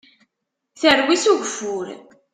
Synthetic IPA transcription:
θərwisuʝfːʊɾ

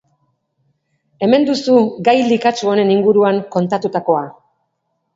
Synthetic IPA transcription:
e̞me̞nd̪usuɡajlikat͡ʃuo̞ne̞niŋɡuɾuaŋko̞nt̪at̪ut̪ako̞a

